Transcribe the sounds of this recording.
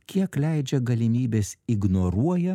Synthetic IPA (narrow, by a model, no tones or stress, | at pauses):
kʲiɛklʲæˑɪd͡ʒʲɛɡɐlʲɪmʲiːbʲesɪɡnoɾuɔjɛ